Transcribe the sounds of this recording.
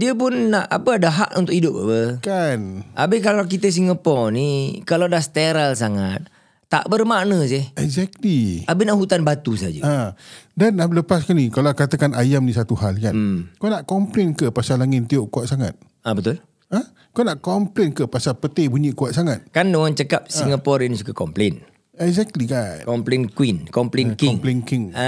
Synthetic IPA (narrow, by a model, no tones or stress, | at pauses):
diəp̬ʊnːaʔa̰pəadaɦa̰ʔṵnt̪ʊʔidʊp̚a̰pəkanʔa̰bɪhkalak̬it̪əs̬iŋəpɔnikaladahst̪eɾalsaŋat̪̚ː | a̰ʔbərmaʔnəs̬ɪhɛɡzɛk̚liabɪnaʔɦut̪anbat̪usa̰d͡ʒə̰adanaləpaskanikalakat̪əkanajamnĩsat̪uɦalkanmkonaʔkɔmplenkəpasalaŋɪnt̪ioʔkuaʔ̚saŋat̪̚ | abət̪ʊl | ə | konaʔkɔmplenkəpasapət̪ebuɲiʔkuaʔsaŋat̪̚kandoŋaŋt͡ʃəkap̚siŋapɔɾinsukakɔmplen | ɛɡzɛk̚t̪likakɔmplenkwinkɔmplenkiŋplenkiŋa